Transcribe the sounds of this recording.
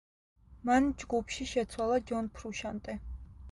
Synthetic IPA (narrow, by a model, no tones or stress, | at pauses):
mand͡ʒɡupʰʃiʃɛt̪sʰwalˠad͡ʒɔnpʰɾuʃant̪ʼɛ